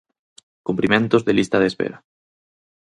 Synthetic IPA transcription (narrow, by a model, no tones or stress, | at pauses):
kumplimẽnt̪ozðelist̪aðespḛɾa